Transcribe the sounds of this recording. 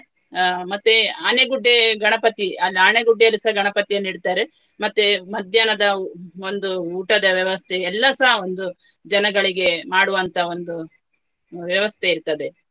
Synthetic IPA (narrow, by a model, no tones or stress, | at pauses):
mɐt̪ːeaːneɡuɖːeɡɐɳɐpɐt̪iɐlaːneɡuɖːelisɐɡɐɳɐpɐt̪ijɐnːiɽt̪aːɾe | mɐt̪ːumɐd̪ʱjanɐd̪ɐo̞nd̪uuːʈɐd̪ɐʋjɐʋɐst̪ʰeːlːɐsaɦɐo̞nd̪u | d͡ʒɐnɐɡɐɭiɡe̞maːɽuʋɐnt̪ʰɐo̞nd̪u | ʋjɐʋɐst̪ʰe̞iɾt̪ɐd̪e̞